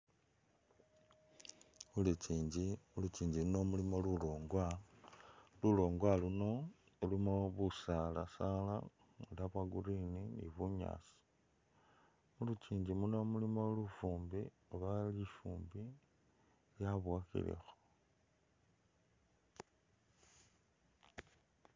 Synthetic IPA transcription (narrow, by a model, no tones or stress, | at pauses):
ulut͡ʃiːɲɟiulut͡ʃiːɲɟilunomulimoluloːŋɡwa | lulo̞ːŋɡwaluno̞ | elimoβusala̰sala̰ | ŋulaβwaɡuɾininḭβuɲa̰ːsi̥ | mulut͡ʃiːɲɟimunomulimolufuːmbi | oβalifuːmbi | ljaβwakḭlḛxo̥